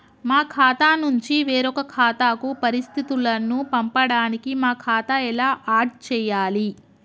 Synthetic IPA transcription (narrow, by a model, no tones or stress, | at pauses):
maːkʰaːt̪aːnuɲt͡ʃiʋeːɾɔkɐkʰaːt̪aːkupɐɾist̪ʰit̪ulɐnupɐmpɐɽaːnikimaːkʰaːt̪ɐɛlaːʔaːɾʈ̚t͡ʃɛːjaːli